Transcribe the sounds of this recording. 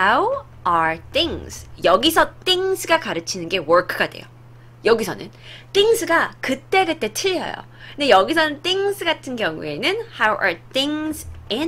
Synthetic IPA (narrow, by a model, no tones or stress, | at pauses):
aw | aθɪŋsʰjʌɡisʰʌt͈iŋsʰɯɡakaɾɯt͡ɕʰinɯnɡe̞wʌɾkʰɯɡade̞̰jo̰ | jʌɡisʰʌ̰nɯ̰nt͈iŋsʰɯɡakɯt͈e̞kɯt͈e̞tʰɯʎːʌ̰jo̰ | ɯndejʌɡisʰʌnɯnt͈iŋsʰɯɡatʰɯnɡjʌŋṵe̞nɯnhawʔa̰˞θɪŋsɪ